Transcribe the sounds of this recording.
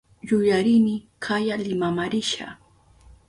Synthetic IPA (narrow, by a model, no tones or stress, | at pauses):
jʊjaɾɪnɪkʰajalɪmamaɾɪʃa̰